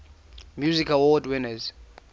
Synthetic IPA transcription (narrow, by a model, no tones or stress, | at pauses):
mjuzikʰalwɔdwɪnəz